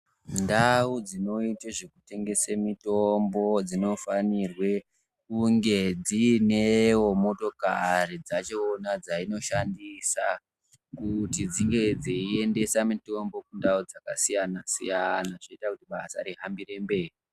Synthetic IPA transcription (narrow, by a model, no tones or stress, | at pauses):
ndaud͡zino̞iteʐekute̞ŋɡe̞semitombo̞d͡zino̞fanirwe̞ | kuŋɡe̞d͡zinewo̞mo̞to̞karid͡zat͡ʃeonad͡zaino̞ʃandisa | kutid͡ziŋɡe̞d͡ziiende̞samito̞mbo̞kundaud͡zaka̰sijanasijanaʐaitakutiɓa̰sa̰ɾiɦambire̞mbe̞ːi